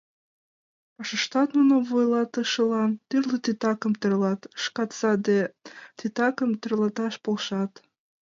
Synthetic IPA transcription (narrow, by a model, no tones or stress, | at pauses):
pɑʃəʃt̪ɑt̪nunəmvojlɑt̪əʃəlɑnt̪yrlət̪it̪ɑkəmt̪ərlɑt̪ʃkɑt̪sɑd̪et̪it̪ɑkəmt̪ərlɑt̪ɑʃpolʃɑt̪